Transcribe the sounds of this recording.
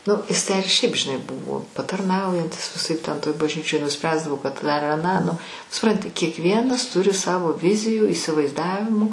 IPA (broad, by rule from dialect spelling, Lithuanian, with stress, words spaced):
nʊ ˈɪs tʲæː ɪr ʃʲɛɪp ʒʲɪˈnɐɪ ˈbʊʋoː pɐtɐrˈnɐʊjɛnʲtʲɪs ʋʲɪˈsɐɪp ˈtʲɛn toːj bɐʒʲˈnʲiːt͡ʃʲoːj nʊˈsʲpʲrʲæːzdɐʋoː kɐt dɐr ɐˈnɑː nʊ sʊˈprɐnʲtʲɪ kʲiɛkˈʋʲiɛnɐs ˈtʊrʲɪ ˈsɑːʋoː ˈʋʲɪzʲɪjuː iːsʲɪʋɐɪzˈdɑːʋʲɪmuː